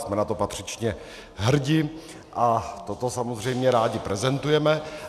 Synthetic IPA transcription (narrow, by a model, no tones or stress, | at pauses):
smɛnat̪o̞pat̪r̝̥ɪt͡ʃɲɛ | ɦr̩ɟɪ | ʔat̪ot̪o̞samozr̝ɛjmɲɛɾaːɟɪpɾɛzɛnt̪ujɛmɛ